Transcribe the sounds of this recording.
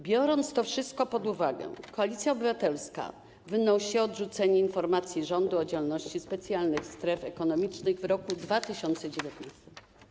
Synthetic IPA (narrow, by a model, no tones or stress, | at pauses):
bʲjɔɾɔnt̪st̪ɔfʂɘst̪̚kɔpɔd̪uvaɡɛ̰kɔalʲit̪sʲjaɔbɘvat̪ɛlska̰ | vɘnɔwɕɛɔdʐut̪sɛɲɛinfɔɾmat̪sʲjiʐɔnd̪uɔd͡ʑɛlnɔɕt͡ɕispɛt̪sʲjalnɘxst̪ɾɛfɛkɔnɔmʲit͡ʂnɘɣvɾɔkud̪vat̪ɘɕɔnt̪sɛd͡ʑevʲjɛt̪nast̪ɛ̥m